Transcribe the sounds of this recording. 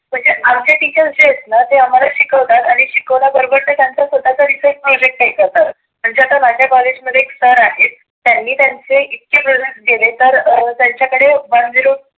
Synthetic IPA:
m̤əɳd͡zeamd͡ʑeʈ̪it͡ɕəd͡ʑeet̪nət̪eam̤alaɕikəʋt̪at̪aɽ̃iɕikəʋlabəɾobəɾt̪ət̪jant͡sasud̪ʱːat͡saɾisəʈ̚pɾod͡ʑek̚ʈːaɦikəɾt̪a | m̤əɳd͡zeat̪amad͡ʑʱjabaled͡ʑməd̪ʱeksəɾaɦet̪ | t̪ːjanːiːt̪jant͡seit̪̚kepɾod͡ʑek̚ʈ̚ɡelet̪əɾt̪jaɲt͡ɕjakəɽeband̪ʱiɾuː

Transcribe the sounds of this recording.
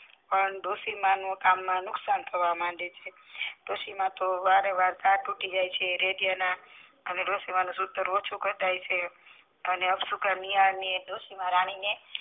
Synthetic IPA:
pəɳɖ̪osimãnũkamːãnʊksant̪ʰəɾʋamãɳɖet͡ʃʰe | d̪osimãt̪oʋaɾəʋaɾd̪aɾʈuʈid͡ʒajt͡ʃʰeɾeɖijana | əneɖ̪osimãnũsʊt̪ːəɾot͡ʃʰukəɾt̪ajt͡ʃʰe | əneəbsukʰaniaɭned̪osimãɾaɽ̃ine

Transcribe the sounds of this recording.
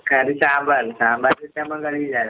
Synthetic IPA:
kaɾisambaɾisambatɛtamaŋɡalid͡ʒa

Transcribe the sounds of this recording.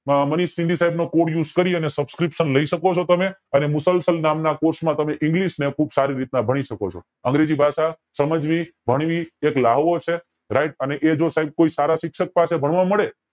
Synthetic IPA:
məniʃːɪ̃nd̪ʱisaɦibnokoʈjud͡ʒkəɾiənesəbskɾipʃənləiʃəkot͡ʃʰot̪əmeənemʊsəlsəlnamnakoɾsmãt̪əmeʔɪ̃ŋɡliʃnekʰubsaɾiɾit̪nãbʱəɽ̃iʃəkot͡ʃʰo̰ | ə̃ŋɡɾed͡ʒibʱaʃa | səməd͡ʒʋibʱəɽ̃ʋieklaɦʋot͡ʃʰe | ɾaiʈ̚əneʔed͡ʒosaɦib̚koisaɾaʃɪkʃək̚pasebʱəɳ̃ʋãməɭe

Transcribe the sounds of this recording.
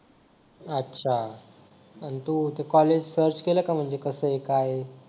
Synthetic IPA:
ətːɕʰa | ənit̪ut̪ekɔled͡ʑsəɾt͡ɕkeləkam̤əɳd͡ʑekəsəekaj

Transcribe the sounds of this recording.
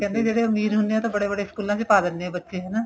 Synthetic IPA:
kɛ̃ːnd̪eːd͡ʒeːɽeːʊmiːɾɦʊnd̪eɛːt̪ãːbəɽeːbəɽeːɪskuːlãːsepaːd̪ənːeɛ̃ːbətːʃeːɦɛːnaː

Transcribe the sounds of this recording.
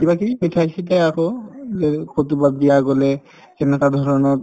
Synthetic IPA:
kibakimitʰajsit̬ɛakoɛkʰotubabijaɡɔlɛ | kɛnɛkad̪ʱɔɹɔnɔt

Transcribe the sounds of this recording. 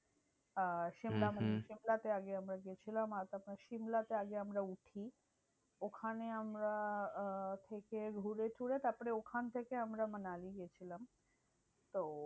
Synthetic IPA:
ʃimlamaneʃimlat̪eaɡeamɾaɡet͡ɕʰilamat̪apaʃimlat̪eaɡeamɾauʈʰi | okʰaneamɾa | t̪ʰekeɡʱuɾet̪ʰuɽet̪aɾpoɾeokʰant̪ʰekeamɾamanaliɡet͡ɕʰilam | t̪o

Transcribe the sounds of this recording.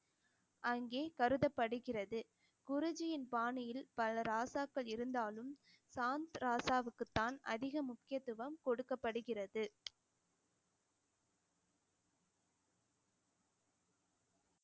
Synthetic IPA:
ʔɐŋɡeːkɐɾɯðɐpːɐɽɯɣɪrɐðɯ | kʊɾʊd͡ʒɪjɪnpaːɳɪjɪlpɐlɐɾaːsaːkːɐɭɪɾɯnd̪aːlɯm | saːnt̪ɾaːsaːʋɯkːɯt̪ːaːnɐ̰ðɪɣɐmʊkːɪjɐt̪ːɯʋɐmkɔɽɯkːɐpːɐɽɯɣɪrɐðɯ

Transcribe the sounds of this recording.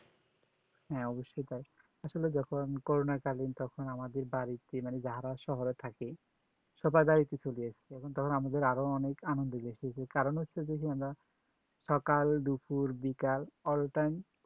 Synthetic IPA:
hɛ̃ɔboʃːojt̪aj | aʃoled͡ʑɔkʰonkoɾonakalint̪ɔkʰonamad̪eɾbaɾit̪emaned͡ʑaɦaɾaʃɔɦoɾet̪ʰake | ʃɔbajbaɾit̪et͡ɕoliet͡ɕʰiɔkʰont̪ɔkʰonamad̪eɾaɾoɔnekanond̪oɡeʃiet͡ɕʰekaɾonɦot̪ːɕʰed̪ekʰiamɾa | ʃɔkalɖ̪upuɾbikalɔlʈajm

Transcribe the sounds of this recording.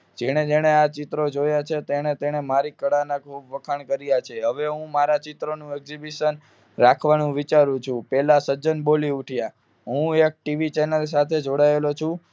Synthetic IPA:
d͡ʒeɽ̃ed͡ʒeɽ̃eat͡ʃɪt̪ɾod͡ʒojat͡ʃʰet̪eɽ̃et̪eɽ̃emaɾikəɽanakʰubʋəkʰaɳkəɾijat͡ʃʰeɦəʋeɦũmaɾat͡ʃɪt̪ɾonũɛɡzibiʃən | ɾakʰʋanũʋit͡ʃaɾũt͡ʃʰũpɛlasəd͡ʒənboliuʈʰja | ɦũek̚ʈiʋit͡ʃenəls̬at̪ʰed͡ʒoɽaelot͡ʃʰũ

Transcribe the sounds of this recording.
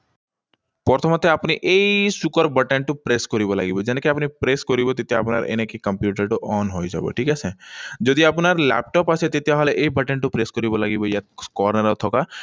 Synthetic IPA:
pɔɾt̪ʰomɐt̪eapniʔeisʊkəɾbɐʈeɳʈupɾeːskɔɾibola̰ːɡibod͡ʒenkeapnipɾeːskɔɾibot̪ɪt̪jaːpna̰ɾḛnẽkikɐ̃mpjuːʈ̬əɾʈoɔːnɦoːid͡ʒa̰ːbo̰ʈʰiːkɛsed͡ʒod̪iapnaɾlɛ̰ːp̚ʈɔːpaset̪ɪt̪jaɦɐlʔeibɐʈẽɳʈupɾeːskɔɾibolaːɡibojaskɔːɾnəɾɔt̪ʰɔka

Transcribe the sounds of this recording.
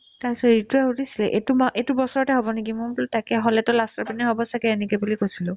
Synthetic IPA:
tajsɔɹituaɦudisilɛʔḛtumʔetubɔsɔɹɔtɛɦobɔnekimʊltakɛɦɔlɛtʊlastaɹpinɛɦobɔsakɛːnɛkɔbulikojsilʊ̃

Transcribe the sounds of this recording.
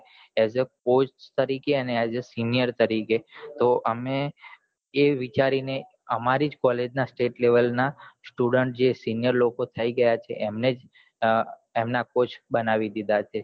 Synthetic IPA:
ezək̚ost̪əɾikeəneazəsinijəɾt̪əɾiket̪oʔəme | eʋit͡ʃaɾine | əmaɾid͡ʒkɔled͡ʒnasʈeʈleʋəlnasʈuɖəɳʈ̚d͡ʒesinjəɾlokot̪ʰəiɡəjat͡ʃʰḛʔemned͡ʒ | emnakot͡ʃʰbənaʋid̪id̪at͡ʃʰe

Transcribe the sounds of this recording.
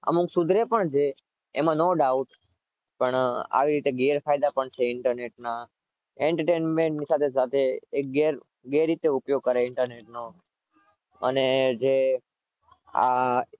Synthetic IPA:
ə̰mũksud̪ʱɾepəɳd͡ʒe | emãnoɖauʈ | pəɳa̰ʋiɾit̪eɡeɾfajd̪apəɳt͡ʃʰeɪɳʈəɾneʈna | eɳʈəɾʈenmẽɳʈnisat̪ʰesat̪ʰeek̚ɡeɾ | ɡeɾit̪eupjoɡ̚kəɾeɪɳʈəɾneʈno | ə̰ned͡ʒe | a̰

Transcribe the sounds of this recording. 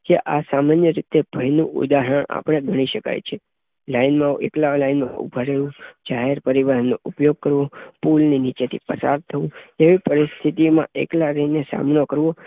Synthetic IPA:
keʔasamanjəɾit̪eb̥ʱəjnṵ̃ʔṵd̪aɦəɳa̰pəɽ̃eɡʱəɽ̃iʃəka̰jt͡ʃʰe | lainmãʔḛklalainmã̰ʔṵbʱaɾeʋũd͡ʒaɦeɾpəɾiʋaɦnːoʔupjoɡ̚kəɾʋopulninit͡ʃet̪ʰḭpəsa̰ɾt̪ʰəʋũeʋipəɾist̪ʰit̪imã̰ʔḛklaɾənesa̰mnokəɾʋo

